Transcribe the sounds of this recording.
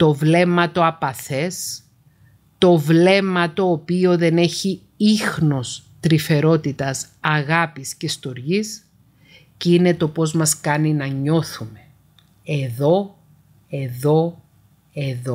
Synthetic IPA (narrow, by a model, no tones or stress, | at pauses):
t̪o̞vle̞mɐt̪o̞ɐpɐθe̞s | t̪o̞vle̞mɐt̪o̞ːpio̞ðe̞ne̞çi | ixno̞st̪ɾife̞ɾo̞t̪it̪ɐs | ɐɣɐpiscest̪o̞ɾʝis | ceine̞t̪o̞po̞zmɐskɐninɐɲo̞θume̞ | eðo̞ | e̞ðo̞ | e̞ðo